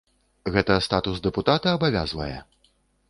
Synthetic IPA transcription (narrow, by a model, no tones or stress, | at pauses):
ɣɛt̪ɐst̪at̪uzd̪ɛput̪at̪ɐːbavʲa̰zvɐ̰jɛ̰